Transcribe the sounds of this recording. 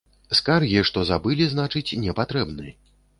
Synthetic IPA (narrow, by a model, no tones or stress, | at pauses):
skarɣʲiʂt̪ɔzabɨlʲiznat͡ʂɨt͡sʲnʲɛpat̪ɾɛbnɨɐ